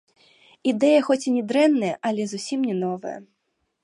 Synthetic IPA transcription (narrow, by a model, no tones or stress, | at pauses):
id̪ɛjɐxɔt͡sʲinʲɛd̪ɾɛnːɐjɐʔɐlʲɛzusʲimnʲɛnɔvɐ̰jɐ̰